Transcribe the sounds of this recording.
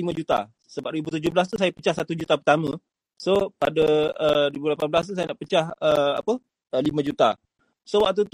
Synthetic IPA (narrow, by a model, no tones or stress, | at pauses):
imə̃d͡ʒut̪a̰ | səbap̚ɾibut̪ud͡ʒoblas̬t̪usajapət͡ʃahsat̪ud͡ʒut̪apərt̪amə̃ | sopadəəɾibulapanblas̬t̪usajanaʔpət͡ʃahəa̰pə | əlimə̃d͡ʒut̪a̰ | sowak̚t̪̬ut̪